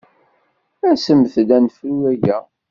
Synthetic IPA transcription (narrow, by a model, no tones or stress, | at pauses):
æsəmθd̪ænfɾuæʝæ